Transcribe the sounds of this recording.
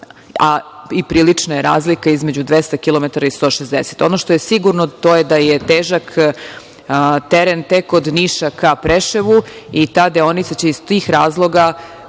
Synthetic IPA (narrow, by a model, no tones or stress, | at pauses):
aipɾiːlit͡ʂnajeɾa̰ːzlikaizme̞d͡ʑud̪ʋest̪akilˠo̞met̪aɾaist̪o̞ːʃezd̪ese̥t̪o̞noʃt̪ojesiɡuɾnot̪o̞jed̪ajet̪eːʒak | t̪eɾent̪ekod̪niʃakapɾeʃeʋuit̪aːd̪eo̞nit̪sat͡ɕe̞izt̪iːxɾaːzlˠo̞ɡa